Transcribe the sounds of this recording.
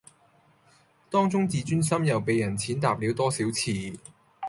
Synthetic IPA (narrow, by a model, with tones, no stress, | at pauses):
t̪ɔː˥ŋt͡sʊ˥ŋt͡siː˨˥t͡ʃyː˥nsɐ˥mjɐ˨˩wpe˨jːɐ˨˩nt͡sʰiː˨˥nt̪aː˨p̚li˨˧˥wt̪ɔː˥siː˨˥wt͡sʰiː˨˧